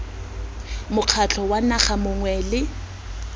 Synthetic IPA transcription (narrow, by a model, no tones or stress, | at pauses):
mʊq͡χʰat͡ɬʰɔwanaχamʊŋwɛlɪ